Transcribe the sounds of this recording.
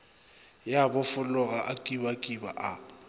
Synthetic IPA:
jabʊfʊlʊɣaʔakʼibakʼiba̰ʔa

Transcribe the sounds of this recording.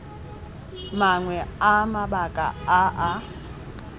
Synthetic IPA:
maŋwɛamabakʼa̰aʔa

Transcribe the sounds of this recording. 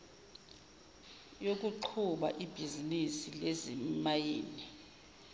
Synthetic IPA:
jok̬ʼuǃʰuɓa̰ʔib̥ʱizinisilezimajeːni

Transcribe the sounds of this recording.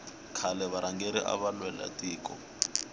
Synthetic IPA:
kʰalɛβaɾaŋɡeɾiʔa̰βalwɛla̰tʼiːkʼɔ̰

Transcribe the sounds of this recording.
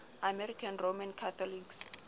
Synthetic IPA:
amɛrikʰanromãnkʰat̪ʰɔliks

